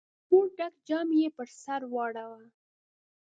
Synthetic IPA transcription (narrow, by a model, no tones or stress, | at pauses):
puɖakd͡ʒɑmjepəɾsaɾwɑɽawa